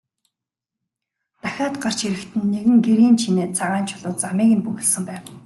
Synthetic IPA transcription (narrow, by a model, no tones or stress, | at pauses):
t̪æxʲaːt̪ɢar̥t͡ɕxiɾɘ̆kt̪ʰɘ̆nːeɣɘ̆ŋɡeɾiːnt͡ɕʰineːt͡sʰaʁaːnt͡ɕʰʊɮʊːt͡samiːɣɘ̆npuɣɘ̆ɮsɘ̆mpæːw